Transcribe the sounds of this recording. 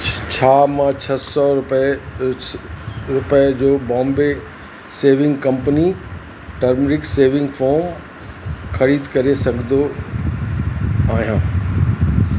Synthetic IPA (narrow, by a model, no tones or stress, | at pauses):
t͡ɕʰaːmãt͡ɕʰɐsɔɾʊp | ɾʊpəd͡ʑoːbɔ̃ːmbe | seːʋɪ̃ŋɡkɐ̃mpəni | ʈɐɾmɾɪkseːʋɪ̃ŋɡfɔːɾm | xɐɾiːd̪kɐɾesɐɡʱnd̪o | aːɦijãː